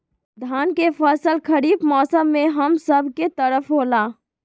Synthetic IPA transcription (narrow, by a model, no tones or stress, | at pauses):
d̪ʱaːnkefʰəsəlkʰəɾiːbmɔːsəmːẽɦəmsəbʱket̪əɾəfɦoːlaː